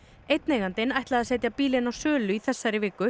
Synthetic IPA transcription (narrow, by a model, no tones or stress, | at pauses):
ejt̪̚neːɣant̪ɪnajht̪laðasɛːt̪japiːlɪnawsœːlʏiθɛsːaɾɪvɪːkʏ